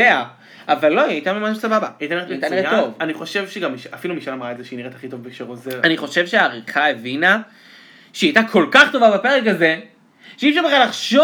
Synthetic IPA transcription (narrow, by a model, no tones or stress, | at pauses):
ea | avalːoiajt̪amemaʃusababaajtanietajt̪aniʁet̪ːovaniχo̞ʃe̞vʃeɡamːiʃafilumiʃalamʁaezeʃeiniʁet̪aχit̪o̞vbekʃeʁozeʁaniχo̞ʃe̞vʃeaːʁiχae̞vina | ʃeiajt̪akʰo̞lkaχt̪o̞vabape̞ʁek̬aze̞ | ʃeifʃaʁbeχalaχʃo